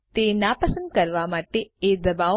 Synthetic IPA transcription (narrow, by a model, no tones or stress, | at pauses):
t̪enapəsə̃nd̪̚kəɾʋamaʈeed̪əba